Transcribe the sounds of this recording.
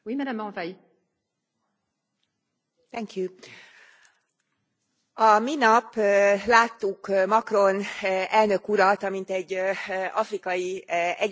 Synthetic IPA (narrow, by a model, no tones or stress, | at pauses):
wimɛdamːɑ̃vɛj | t̪ɛŋkju | ɒminɒpːlaːt̪ːukmɒkro̞nɛlnø̞kuɾɒt̪ɒmint̪ɛɟːɒfrikɒjiɛ